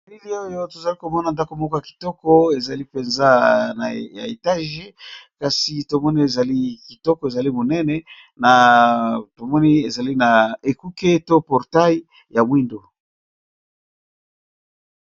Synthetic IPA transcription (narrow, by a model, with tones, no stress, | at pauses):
li˦li˦o˦jo˦to˨za˨li˦ko˨mɔ˦na˨nda˦ko˨mɔ˦kɔ˦ja˨ki̥˨tɔ˦kɔ˦e˨za˨li˦pe˨nza˦na˨ja˨e˨ta˦ʒe˦ka˨si˨to˨mɔ˦ni˦e˨za˨li˦ki˨tɔ˦kɔ˨e˨za˨li˦mo˨nɛ˦nɛ˦ | na˨ | to˨mɔ˦ni˦e˨za˨li˦na˨e˨ku˦ke˦to˦pɔ˨ʁta˦i˦ | ja˨mwi˦ndo˨